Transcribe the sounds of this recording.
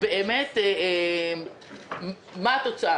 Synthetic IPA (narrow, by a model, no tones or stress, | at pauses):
beemet̪eem | mat̪ot͡saa